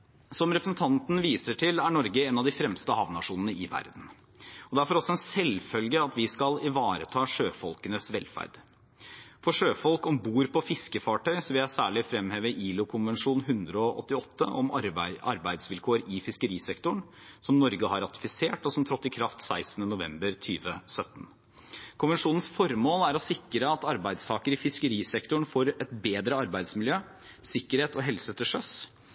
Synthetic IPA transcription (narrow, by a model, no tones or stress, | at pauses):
sɔmɾɛpɾəsn̩t̪ʰɑnt̪n̩ʋiːsəʈʰɪlæɳɔɾɡəeːnɑʋd̪ɪfɾɛmst̪əhɑʋnɑʂuːnənəʔɪʋæ̰ɾd̪n̩ | ɔd̪ɛæɾfɔɾɔsːɔɛnsɛlfœlɡəɑt̪ʋɪskɑlɪʋɑːɾət̪ʰɑːʂøːfɔlkənəsʋɛlfæ̰ɾd̪̥ | fɔʂøːfɔlkɔmbuːɾpʰɔfɪskəfɑːʈʰœʏsɔʋɪljæɪsæːɭɪfɾɛmheːʋəʔiːlʊkʰʊnʋɛnʂuːnɦʉnd̪ɾəɔʔɔ̰t̪ːɪɔt̪ːə̰ʔɔmɑ̰ɾbæɪd̪sʋɪlkʰoːɾɪfɪskəɾiːsɛkt̪ʊɳ | sɔmnɔɾɡəhɑɾɑt̪ɪ̥fɪseːʈɔsɔmt̪ʰɾɔt̪ːɪkʰɾɑft̪sæɪsn̩ənʊʋɛ̰mbəɾt̪ʰyːʋəsœt̪ːn̩ | kʰʊnʋɛnʂuːnn̩sfɔɾmoːlæɾɔsɪkːɾəɑt̪ɑɾbæɪd̪st̪ʰɑːkəɾɪfɪskəɾiːsɛkt̪ʊɳfoːɾɛt̪beːd̪ɾəɑɾbæɪd̪smɪljøː | sɪkːəɾheːt̪ɔɦɛlsət̪ʰɪlʂœs